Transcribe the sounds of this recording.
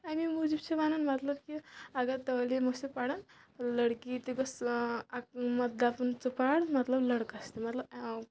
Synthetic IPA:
amimud͡ʒibt͡ʃʰebanunmɐt̪lɐbkiaɡat̪ɐlimosipaɽɐnləɽkit̪iɡəs | mɐt̪̚d̪apɐnt͡sɐpaɽmɐt̪lɐblɐɽkast̪imɐt̪lɐb

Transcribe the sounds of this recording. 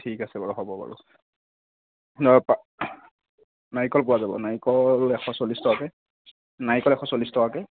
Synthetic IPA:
tʰikasɛbaɹɔɦɔbɔpa̰ɹṵ | nɔpa | najkɔlp̬ʊwazabɔ̰najkɔlɛxʰɔ̃solistɔakɛ | najkɔlɛxʰɔsolistɔwakɛ

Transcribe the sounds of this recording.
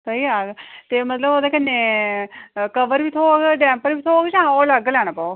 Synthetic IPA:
səiːaːɡt̪eːmət̪ləboːd̪aːkənːeː | kəʋəɾʋiːt̪ʰoːɡɖɛ̃ːmpəɾbiːt̪ʰoːɡt͡ʃãːoːləɡlɛːɽ̃aːpaːoː

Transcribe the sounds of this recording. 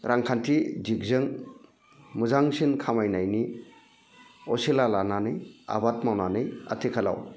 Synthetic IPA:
ɾʔaŋkʰantʰizik̚zɯŋ | muzaŋsinkʰamajnajni | ɔselalananɯja̰bat̚mawnanɯja̰tʰikʰala̰w

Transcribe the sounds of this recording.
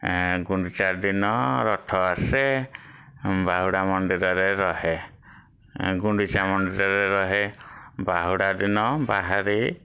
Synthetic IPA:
ɡuɳɖit͡ʃad̪inɔɾɔʈʰɔase | baɦuɽamɔnɖ̪iɾɔɾeɾɔɦe | ɡuɳɖit͡ʃamɔnɖiɾɔɾeɾɔɦebaɦuɽad̪inɔbaɦaɾi

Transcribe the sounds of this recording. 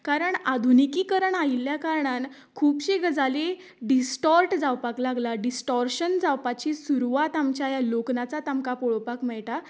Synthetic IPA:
kaɾəɳad̪ʱunikiːkəɾəɳailjakaɾɳan | kʰuːpɕeɡəd͡zʱale | ɖisʈɔɾʈd͡zawpaklaɡlaɖisʈɔɾɕənd͡zawpat͡ɕisuɾʋat̪amt͡ɕajaloknat͡sat̪amkapɔɭɔpakmɛɭʈa

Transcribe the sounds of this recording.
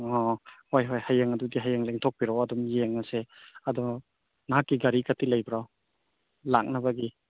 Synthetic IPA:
ɔhojɦojhajeŋɐdudiɦajaŋleŋtʰok̚piɾɔwɐdɔmjeŋɐseɐdɔ | nɦakːiɡaɾikɐtilɐjbɾaw | lak̚nɐbɐɡi

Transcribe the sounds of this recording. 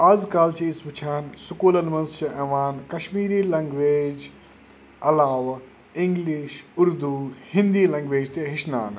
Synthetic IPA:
aːzkaːlt͡ʃispʊt͡ʃʰaːnsʊkoːlɐnmɐ̃nst͡ʃɐʔeːʋaːnkɐʃmiːɾiːlɐ̃ŋɡʋeːd͡ʒ | ɐlaːʋ | ɪ̃ŋɡliʃʊɾd̪uhɪnd̪iːlɐ̃ŋɡʋeːd͡ʒt̪eɦɪʃna̰ːn

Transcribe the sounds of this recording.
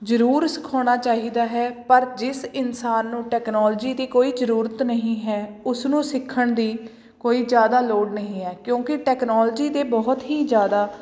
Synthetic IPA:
d͡ʒəɾuːɾsɪ̥kʰoːɽ̃aːt͡ʃaːɦiːd̪aːɦɛːpəɾd͡ʒɪsɪnsaːnːũːʈɛːknɔːld͡ʒiːd̪iːkoːiːzəɾuːɾət̪nəɦĩːɦɛːʊsnũːsɪkʰːəɳd̪iː | koːiːd͡ʒjaːd̪aːloːɖnəɦĩːɦɛːkjõːkɪʈɛːknɔːld͡ʒiːd̪eːbɔːt̪ɦiːd͡ʒjaːd̪aː

